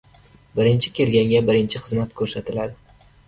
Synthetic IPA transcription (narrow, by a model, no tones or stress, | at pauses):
bɪɾɪnt͡ʃʰɪ̥kʲe̞lɡʲaŋʲabɪɾɪnt͡ʃʰɪχɨzmat̪kʰɵɾsat̪ʰɪlad̪ɪ